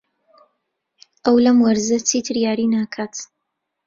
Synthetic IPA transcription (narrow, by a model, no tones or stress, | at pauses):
ʔɐwlɐmwɐɾzɐt͡siːt̪ʰɨɾjaːɾinaːkʰaːt̪